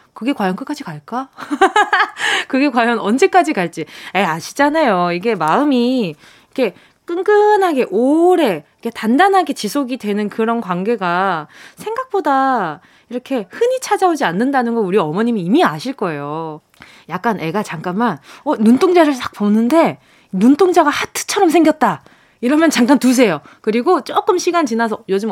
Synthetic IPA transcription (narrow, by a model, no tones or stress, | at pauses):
kɯɡe̞kwajʌnkɯk͈ad͡ʑikaɭk͈a | kɯɡe̞kwajʌnʌnd͡ʑe̞k͈ad͡ʑikaɭt͡ɕ͈ieaɕʰi̥d͡ʑanajoiɡe̞maɯmi | ikʰe̞ | k͈ɯŋɡɯnɦaɡe̞ʔoɾe̞ikʰe̞tandanɦaɡe̞t͡ɕisʰoɡidwe̞nɯnkɯɾʌnkwanɡe̞ɡasʰe̞ŋɡak̚p͈oda | iɾʌkʰe̞hɯɲit͡ɕʰad͡ʑaod͡ʑianːɯndanɯnɡʌnuɾiʌmʌɲimiːmiaɕʰiɭk͈ʌe̞jo | jak̚k͈anʔe̞ɡat͡ɕaŋk͈anmanʌnuntʰoŋd͡ʑaɾɯɭt͈ak̚pʌnɯnde̞ | nunt͈ʰoŋd͡ʑaɡahatʰɯ̥t͡ɕʰʌɾʌmsʰe̞ŋɡjʌt̚t͈a | iɾʌmjʌnt͡ɕaŋk͈antus̬ʰe̞jokɯɾiɡot͡ɕ͈ok͈ɯmɕʰiɡant͡ɕinas̬ʰʌjod͡ʑɯm